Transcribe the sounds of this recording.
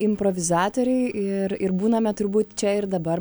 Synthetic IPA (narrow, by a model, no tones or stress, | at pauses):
ɪmpɾoʋʲɪzɑːt̪oːɾʲɛɪɪɾɪɾbuːnɐmʲɛt̪ʊɾbuːt̪t͡ʃʲɛɪɾd̪ɐbɐr